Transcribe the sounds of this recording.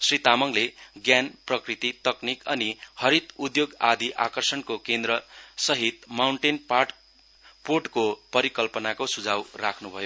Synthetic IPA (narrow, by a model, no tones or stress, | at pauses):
srit̪amʌŋleɡjanprʌkrit̪it̪ʌknikʌnihʌɾit̪ud̪joɡad̪ʱiʔakʌrsʌnkokend̪ɾʌsʌɦit̪mawɳʈenparʈ | porʈkopʌɾikʌlpʌnakosud͡zʱawrakʰnubʱʌjo